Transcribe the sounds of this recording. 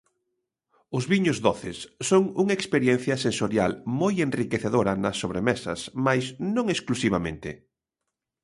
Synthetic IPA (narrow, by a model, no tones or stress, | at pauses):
ʊzβiɲʊzðoθɪsːoŋuŋaekspeɾjɛn̟θjɐsensoɾjalmojenrikeθeðoɾɐnɐsːoβɾemɛsɐ̰smajsnõŋesklusiβ̞amẽnt̪ɪ̰